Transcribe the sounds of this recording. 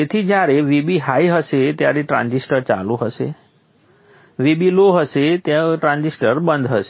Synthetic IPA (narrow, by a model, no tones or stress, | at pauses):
t̪et̪ʰid͡ʒjaɾeʋibiɦaiɦəʃet̪jaɾeʈɾã̰nd͡ʒisʈəɾt͡ʃa̰lũɦəʃḛ | ʋibiloɦəʃet̪jaʈɾãnd͡ʒisʈəɾbənd̪ʱɦəʃe